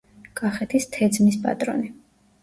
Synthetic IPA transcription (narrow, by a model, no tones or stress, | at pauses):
kʼaχɛt̪ʰist̪ʰɛd̪zmispʼa̰t̪ʼɾɔ̰ni